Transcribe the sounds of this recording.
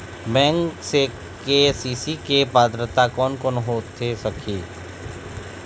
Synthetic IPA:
bɛ̃ːŋkse | kesiːsikepaːd̪ɾət̪akɔːnkɔːnɦoːt̪ʰːesɐkʰiː

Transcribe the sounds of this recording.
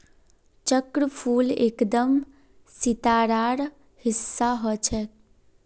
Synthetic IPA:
t͡ʃəkɾəpʰuːlḛːkd̪əm | sit̪aːɾaːɾ | hɪsːaɦɔt͡ʃʰɛ

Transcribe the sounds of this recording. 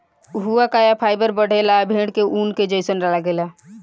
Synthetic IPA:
ɦuakajapʰaːɪbəɾbəɽ̤elabʱẽɽkeʔunked͡ʒəɪsənɾalaɡela

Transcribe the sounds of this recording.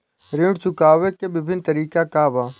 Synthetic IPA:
ɾɪ̃ɖt͡ʃʊkaːʋekebɪbʱɪnt̪əɾiːkakaːʋaː

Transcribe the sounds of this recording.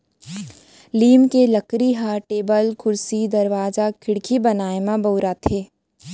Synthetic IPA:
liːmkeləkɾiɦaːʈeːbəlkʰʊɾsid̪ɐɾʋaːzakʰɪɽkʰibɐnaːemãboːɾat̪ʰeː

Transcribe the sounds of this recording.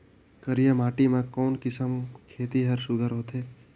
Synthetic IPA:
kəɾijamaːʈimãkɔːnkɪsəmkʰeːt̪iɦəɾsʊɡ̪ʱəɾɦoːt̪ʰeː

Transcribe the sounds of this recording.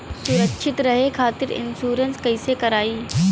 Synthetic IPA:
sʊɾəkʃʰɪt̪ɾɐɦekʰaːt̪ɪɾɪ̰nsuːɾənskɐisekɐɾaːiː

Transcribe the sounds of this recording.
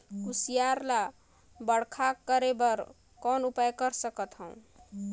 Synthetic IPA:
kusijaɾla | bəɽkʰakːəɾebəɾ | kɔnupajkəɾsəkət̪ɦʌə̃w̃

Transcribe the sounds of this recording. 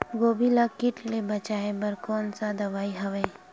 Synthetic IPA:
ɡoːbilakɪʈlebɐt͡ʃaːebɐɾkɔːnsad̪ɐʋaːiɦɐʋẽː

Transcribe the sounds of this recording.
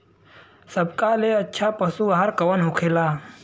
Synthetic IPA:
sɐbkaleɐtːʃʰapɐsuːɦəɾkɐwənɦʊkʰeːlaː

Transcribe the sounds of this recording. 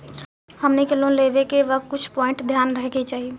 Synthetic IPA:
həmnekɪlõleːʋekeʋək̚t̪̚kʊt͡ʃʰpɔːɪ̃ɳʈd̪ʱjaːnɾəɦeket͡ʃaːɦie

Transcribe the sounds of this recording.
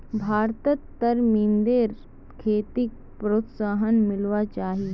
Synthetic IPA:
bʱaːɾt̪ət̪ːəɾmind̪eːɾ | kʰeːt̪ik̚pɾoːt̪saːɦənmɪlʋat͡ʃaːɦi

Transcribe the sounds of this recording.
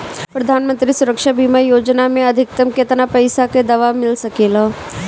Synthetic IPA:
pɾɐd̪ʱaːnmə̃nt̪ɾisʊɾəkʃabʱimajoːd͡ʒnamẽɐd̪ʱɪk̚t̪əmket̪ənapɐɪsaked̪ɐʋamɪlsɐkeːlo

